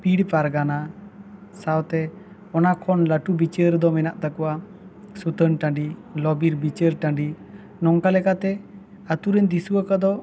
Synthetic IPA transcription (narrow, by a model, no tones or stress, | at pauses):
piɽpaɾɡana | sawt̪ɛ | ɔnakʰɔnlaʈubit͡ʃəɾd̪ɔmɛnaʔt̪akɔwa | sut̪ənʈãɳɖilɔbiɾbit͡ʃəɾʈãɳɖi | nɔŋkalɛkat̪ɛ | at̪uɾɛɲd͡ʒisuakad̪ɔ